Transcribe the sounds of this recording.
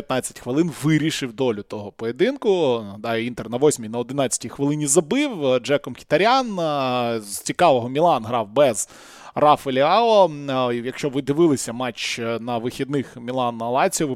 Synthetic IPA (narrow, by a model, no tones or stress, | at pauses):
jɐt̪nɑt͡sʲːɐ̥tʲxʋɪlˠɪnʋɪɾʲiʃɪwd̪ɔlʲʊt̪ɔɦɔpɔjed̪ɪnkʊd̪ɑjɛint̪ernɐʋɔsʲmʲinɐɔd̪ɪnɑt͡sʲɐ̥tʲixʋɪlˠɪnʲizɐbɪwd͡ʒɛkɔmxʲi̥t̪ɐɾʲɑn | zt͡sʲikɑʋɔɦɔmʲilˠɑnɦɾɑwbɛz | rɑfelʲɪɑɔjɐkʃt͡ʃɔʋɪd̪ɪʋɪlˠɪsʲɐmɑt͡ʃnɐʋɪxʲid̪nɪxmʲilˠɑnɐɐlˠɑt͡sʲɔʋɪ